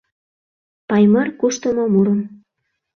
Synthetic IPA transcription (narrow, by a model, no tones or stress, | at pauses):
pɑjmɤrkuʃt̪əmomuɾəm